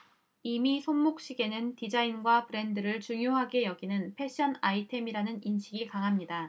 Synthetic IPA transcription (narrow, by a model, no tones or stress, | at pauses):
imisʰonmok̚ɕ͈iɡe̞nɯntid͡ʑainɡwapɯɾe̞ndɯɾɯɭt͡ɕuŋjoɦaɡe̞jʌɡinɯnpʰe̞ɕ͈ʰʌnaitʰe̞miɾanɯninɕʰiɡikaŋɦamɲida